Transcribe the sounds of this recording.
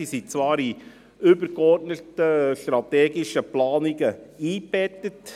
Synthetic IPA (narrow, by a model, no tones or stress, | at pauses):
isit͡svɑːɾi | ʏbəɾkɔrtnətəʃtɾɑtɛːɡiʃəplɑːniɡəiːbɛtːət